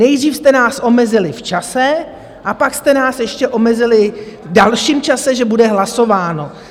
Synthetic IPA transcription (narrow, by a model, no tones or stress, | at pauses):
nɛjdriːfst̪ɛnaːsʔo̞mɛzɪlɪft͡ʃasɛ | ʔapakst̪ɛnaːsjɛʃcɛʔo̞mɛzɪlɪdalʃiːmt͡ʃasɛʒɛbudɛɦlaso̞vaːno̞